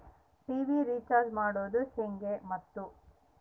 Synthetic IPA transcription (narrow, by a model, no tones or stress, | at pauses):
ʈiːʋiɾiːt͡ʃaːɾd͡ʒmaːɽoːd̪useŋɡemɐt̪ːu